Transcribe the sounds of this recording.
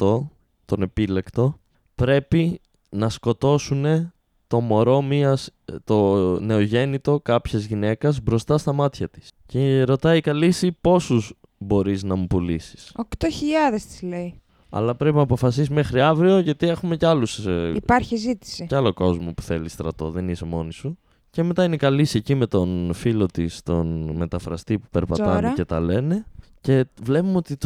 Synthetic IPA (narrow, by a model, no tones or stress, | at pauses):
t̪o̞ | t̪o̞ne̞pile̞kt̪o̞ | pɾe̞pi | nɐsko̞t̪o̞sune̞ | t̪o̞mo̞ɾo̞miɐst̪o̞ne̞o̞ʝe̞nit̪o̞kɐpçezʝine̞kɐzbɾo̞st̪ɐst̪ɐmɐt̪çɐt̪i̥sceɾo̞t̪ɐikɐlisipo̞suz | bo̞ɾiznɐmupulḭsi̥sɐkt̪oçiʎɐðest̪i̥zlei | ɐ̰lɐpɾe̞pinɐːpo̞fɐs̬isime̞xɾiɐvɾio̞ʝɐt̪ie̞xume̞ceɐlusipɐɾçizit̪i̥siceɐlo̞ko̞zmo̞pu̥θe̞list̪ɾɐ̰t̪o̞̰ðe̞nise̞mo̞nisu | ce̞met̪ɐinekɐlisiecime̞t̪o̞nfilo̞t̪ist̪o̞nme̞t̪ɐfɾɐ̰st̪ipu̥peɾpɐɐneet̪ɐ̰le̞ne̞ce̞vle̞pumot̪i